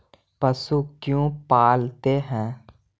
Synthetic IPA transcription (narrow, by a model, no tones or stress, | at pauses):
pəsukjũːpaːlt̪eɦɛ̃ː